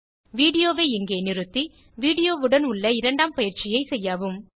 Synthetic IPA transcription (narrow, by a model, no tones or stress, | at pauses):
ʋiːɽɪjoːʋeːɪŋɡeːnɪɾɯt̪ːi | ʋiːɽɪjoːʋɯɽɐnʊɭːɐɪɾɐɳɖaːmpɐjɪɾt͡ʃɪjɐɪsɛjːaːʋɯm